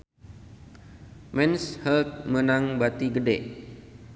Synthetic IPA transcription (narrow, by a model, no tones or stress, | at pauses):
mɛnshəlt̪̚mənaŋbat̪iɡədɛʔ